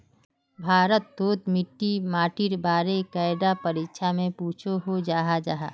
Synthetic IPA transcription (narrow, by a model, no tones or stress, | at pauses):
bʱaːɾət̪ːoːt̪mɪʈːimaːʈiɾbaːɾekaːɪɖ̪apəɾikʃʰamẽpuːt͡ʃʰoɦod͡ʒaːɦad͡ʒaɦaː